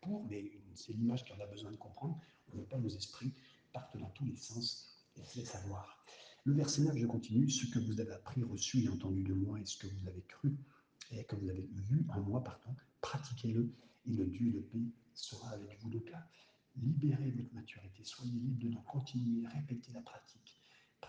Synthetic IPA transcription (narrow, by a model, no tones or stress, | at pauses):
puʁmɛsɛlimaʒkiɔ̃nabəzwɛ̃d̪əkɔ̃pχɑ̃d̪ʁ | ɔ̃nvøpanozɛspχi | paʁt̪əd̪ɑ̃t̪ulesɑ̃s | eflɛsavwaːʁləvɛʁsɛnaʒəkɔ̃t̪inysəkəvuzaveapχiʁəsyeɑ̃t̪ɑ̃d̪yd̪əlwɛ̃esə̥kəvuzavekχy | ekəvuzavevyɑ̃lwapaʁd̪ɔ̃ | pχat̪ʰikʲeləeləd̪jøeləpei | səʁaːvɛkvud̪ɔ̃ka | libeʁevɔt̪χmat̪yʁit̪eswajelibʁdəd̪ɑ̃kɔ̃t̪ʰinɥeʁepet̪elapχat̪ʰik